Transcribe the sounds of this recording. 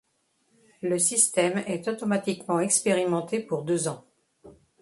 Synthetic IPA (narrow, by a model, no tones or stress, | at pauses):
ləsist̪ɛmɛt̪ot̪ɔmat̪ikmɑ̃ɛkspeʁimɑ̃t̪epuʁd̪øzɑ̃